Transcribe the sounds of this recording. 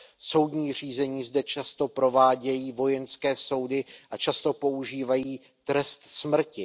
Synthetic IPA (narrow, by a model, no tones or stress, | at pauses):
so̞wdɲiːr̝iːzɛɲiːzdɛt͡ʃast̪o̞pɾo̞vaːɟɛjiːvo̞jɛnskɛːso̞wdɪʔat͡ʃast̪o̞po̞ʔuʒiːvajiː | t̪ɾɛst̪smr̩cɪ